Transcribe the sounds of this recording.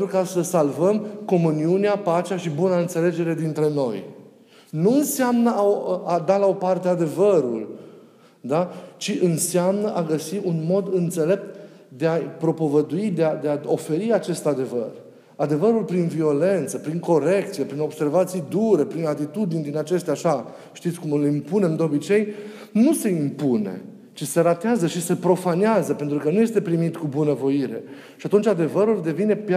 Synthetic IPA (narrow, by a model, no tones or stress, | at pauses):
ukasəsalvəmko̞muniuneapat͡ʃeaʃibunaɨnt̪sele̞d͡ʒe̞ɾe̞d̪int̪ɾe̞no̞̰j | nuɨnseamnəaad̪alao̞part̪ead̪e̞vəɾul | d̪at͡ʃiʔɨnseamnəʔaɡəsiʔunmo̞d̪ɨnt̪se̞le̞p̚t̪ | d̪e̞apɾo̞po̞vəd̪uid̪ead̪e̞ao̞fe̞ɾiat͡ʃe̞st̪ad̪e̞və̰r | ad̪e̞vəɾulpɾinvio̞le̞nt̪səpɾiŋko̞ɾe̞kt̪sije̞pɾino̞b̥se̞ɾvat̪sijd̪uɾe̞pɾinat̪it̪ud̪inʲd̪inat͡ʃe̞st̪eaʃa | ʃt̪it̪sʲkumɨlimpune̞md̪eo̞bit͡ʃe̞j | nuse̞impune̞̰ | t͡ʃise̞ɾat̪eazəʃise̞pɾo̞faneazəpent̪ɾukənuje̞st̪e̞pɾimit̪kubunəvo̞iɾe̞̰ | ʃiat̪unt͡ʃʲad̪e̞vəɾuld̪e̞vine̞p